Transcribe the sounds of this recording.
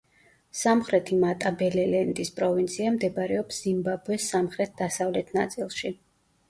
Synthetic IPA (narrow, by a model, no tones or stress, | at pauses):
samχɾɛt̪ʰimat̪ʼabɛlɛlɛnt̪ʼispʼɾɔvint̪sʰiamd̪ɛbɾɛɔpszimbabɛsːamχɾɛt̪̚d̪asavlɛt̪ʰnat̪sʼilˠʃi